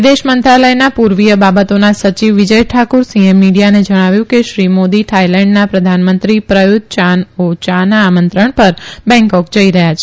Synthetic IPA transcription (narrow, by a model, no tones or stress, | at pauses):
d̪eʃmənt̪ɾaləjnapuɾʋijəbabət̪onasət͡ʃiʋːid͡ʒəjʈʰakoɾsiemːiɽijaned͡ʒəɽ̃aʋjũkeʃɾimod̪iʈʰailɛ̃ɳɖnapɾəd̪ʱanmənt̪ɾipɾəjuɡ̚t͡ʃanot͡ʃanaːmənt̪ɾəɳpəɾbɛ̃ŋkɔkd͡ʒəiɾəɦjat͡ʃʰe